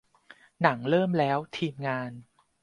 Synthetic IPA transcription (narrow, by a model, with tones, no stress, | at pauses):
na˩˦ŋɾɤː˥˩mlɛː˦˥wt̪ʰiː˧mŋaː˧n